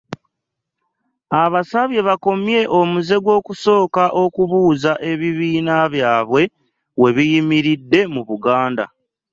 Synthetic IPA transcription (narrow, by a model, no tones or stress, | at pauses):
aβasaβje̞βako̞mje̞ʔo̞muze̞ɡwo̞ːkuso̞ːkaʔo̞kuβuːzaʔe̞βiβiːnaβjaːβwe̞ | we̞βijimiɾidːe̞muβuɡaːnda̰